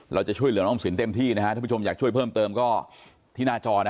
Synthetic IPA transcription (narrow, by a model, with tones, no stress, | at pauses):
ɾa˧wt͡ɕa˨˩t͡ɕʰu˥˩əjlɯ˩˦nɔː˧˩ŋsi˩˦nt̪e˧mt̪ʰiː˥˩na˦˥kʰa˦˥ʔ̪ʰaː˥˩˥o˧jaː˨˩k̚t͡ɕu˥˩əjpʰɤː˥˩mt̪ɤː˧mkɔː˥˩ | t̪ʰiː˥˩naː˧˥˩t͡ɕɔː˧n˦˥